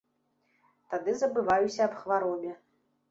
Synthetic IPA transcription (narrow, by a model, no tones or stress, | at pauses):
t̪ad̪ɨzɐbɨvajusʲɐːpxvaɾɔbʲɛ